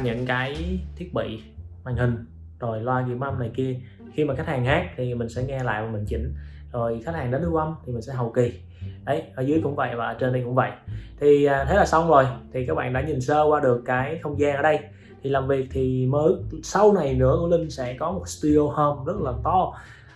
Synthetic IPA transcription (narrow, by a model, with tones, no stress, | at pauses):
ɲɨ̰˧˥ŋkaː˨˦jt̪ʰi˦˥ət̚ɓḭ˧˨ | mwaː˨˩ŋhï˨˩ŋ̟ | zo˨˩jlwaː˧kḭ˧˨˥m˧ʔə˧ŋ͡mna˨˩jki˧ə | xi˧maː˨˩ka˦˥k̚haː˨˩ŋhaː˦˥k̚t̪ʰi˨˩mï˨˩ŋ̟sɛ̰˧˥ŋɛ˧la̰ː˧˨jvaː˨˩mï˨˩ŋ̟t͡ɕḭ̈˧˥ŋ̟ | zo˨˩jxa˦˥t̚haː˨˩ɗe˨˦nɗu˧və˧wŋ͡mt̪ʰi˨˩mï˨˩ŋ̟sɛ̰˧˥˦ɦə˨˩wki˨˩ | ɗə˨˦jʔəː˧˩zɨ˨˦əjkʊ̰˧˥ŋ͡mvə̰˧˨jvaː˨˩ʔə˧˨˦t͡ɕe˧nɗə˧jkʊ̰˧˥ŋ͡mvə̰˧˨jʔt̪ʰi˨˩˨t̪ʰe˨˦laː˨˩sa˧wŋ͡mzo˨˩jt̪ʰi˨˩kaː˦˥k̚ɓa̰ː˧˨nɗa̰ː˧˥ɲi˨˩nsəː˧kwaː˧ɗɨ˨˩əkːaː˨˦jxʰə˧wŋ͡mzaː˧ŋʔəː˧˦˩ɗə˧j | t̪ʰi˨˩laː˨˩mvi˨˩ək̚t̪ʰi˨˩məː˨˦jsa˧wna˨˩jnɨ̰˧˥əku˧˩˥lï˧ŋ̟sɛ̰˧˥kɔ˨˦mo˨˩t̚st̪i˧ə˧whəː˧nzə˦˥t̚laː˨˩t̪ɔ˧